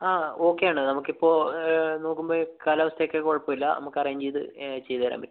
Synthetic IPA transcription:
aːo̞ːkːejaːɳɨnɐmukːipːo̞ːno̞ːkːumboːkalɐʋɐst̪ʰɐjokːekoɻɐpːoilːɐ̰nɐ̰mukːɐrɐjiɲd͡ʑejt̪ɨ̰t͡ɕejt̪ɐɐɾɐ̰ːmbil

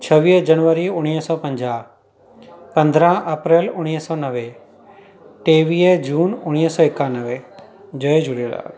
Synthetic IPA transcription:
t͡ʃʰəʋiːd͡ʒənʋəɾiʊɽ̃iːsɔːpə̃ɲd͡ʒaː | pə̃nd̪ʱɾãʔəpɾeːlʊɽ̃iːsɔːnəʋe | ʈeːʋiːd͡ʒuːnʊɽ̃isɔːɪkːãːnəʋe | d͡ʒəed͡ʒʊɽela̰ː

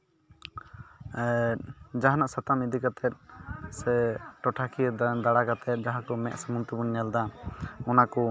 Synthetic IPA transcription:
d͡ʒaɦanaʔsat̪amid̪ikat̪ʰɛt̪̚sɛʈɔʈʰakʰid̪aɽakat̪ʰɛt̪̚ˀd͡ʒaɦakɔmɛʔ̪samunt̪ubunɲald̪aɔnakɔ

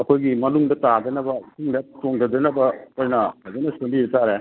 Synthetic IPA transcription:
ɐkʰojɡimɐnuŋdɐtadɐnɐbɐkuŋdatoŋdɐdɐnɐbɐojnɐhazenɐsendiɾɐtaɾe

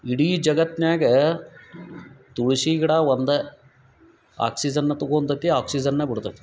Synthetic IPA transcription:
iɽiːd͡ʒɐɡɐt̪naːɡɐ | t̪uɭuʃiɡɐɽɐʋond̪ɐ | a̰ːksid͡ʒɐnːɐt̪oɡoːnt̪ɐt̪ːiaːksid͡ʒɐnːebiɽt̪ɐ

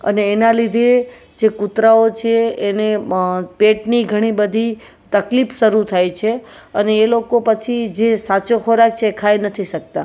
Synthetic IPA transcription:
ə̰neːnalid̪ʱe | d͡ʒekut̪ɾaot͡ʃʰeenepeʈniɡʱəɽ̃ibəd̪ʱi | t̪əklipʰʃəɾut̪ʰajt͡ʃʰeəneːlokopət͡ʃʰid͡ʒesat͡ʃokʰoɾak̚t͡ʃʰeːkʰajnət̪ʰiʃək̚t̪a

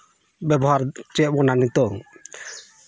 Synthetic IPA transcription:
bɛbɔɦaɾt͡ʃɛʔbɔnanit̪ɔŋ

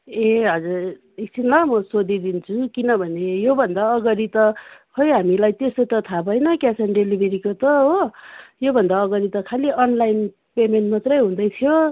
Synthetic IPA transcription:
eɦʌd͡zur | isinlamʌsod̪ʱid̪int͡sʰukinʌbʱʌnejobʱʌnd̪aʌɡʌɾit̪ʌhʰʌjɦamilajt̪esot̪ʌt̪ʰabʱʌjnʌkasʌnɖelibʱeɾikot̪ʌɦojobʱʌnd̪aːɡʌɾit̪ʌkʰaliʔʌnlajn | pemenʈmat̪rʌjɦũd̪ʌjt̪ʰijo

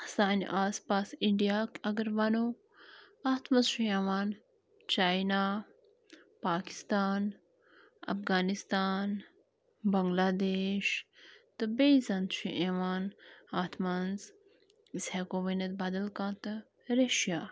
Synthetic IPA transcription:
saːnḭʔaːspaːsiɳɖijaːkɐɡɐɾʋɐno | aːt̪ʰmɐnzʃieʋaːn | t͡ʃaːjna | paːki̥st̪aːn | ɐ̰fɡaːnist̪aːn | bɐŋɡlaːd̪eːʃt̪ɨbezɐnd̪ʃḭʔeʋaːnaːt̪ʰmɐnz | ishekoːʋɐnɐt̪̚bɐd̪ɐlkãːt̪ɐ | ɾeʃjaː

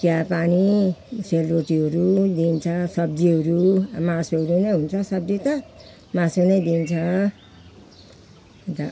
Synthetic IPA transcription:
kjapaniselrot̪iɦʌɾud̪int͡sʰʌsʌb̚d͡ziɦʌɾumasoɦʌɾunʌjɦunt͡sʰʌsʌb̚d͡zit̪ʌ | masunʌjd̪int͡sʰʌ | t̪a

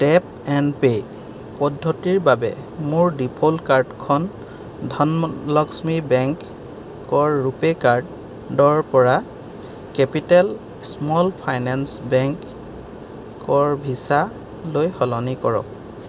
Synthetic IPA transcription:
tɛp̚ | ɛnpe | pɔdʱːɔtiɹbabɛ̰mʊɹdipʰolkaɹdkʰɔn | dʱɔnlɔksmibɛŋkː | ɔɹːupekaɹd | dɔɹpɔɹa | kɛpitɛl | smɔlpʰajnansbɛŋk | ɔɹbʱisa | lojxɔlɔnikɔɹɔ̰k̚

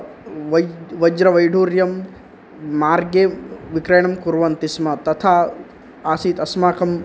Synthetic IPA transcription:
ʋɐd͡ʒɾɐʋɐjɖʱuːɾjɐmː | aːɾɡeʋikɾeːɳɐmkuɾʋɐnt̪ismɐt̪ɐt̪ʰaː | aːsiːt̪ɐsmaːkʰɐm

